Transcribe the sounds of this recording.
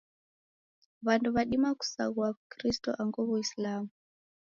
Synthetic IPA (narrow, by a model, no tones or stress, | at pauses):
βantuβaɗimaku̥sa̰ɣwakɾistɔ̰ʔaŋɡɔβuislamu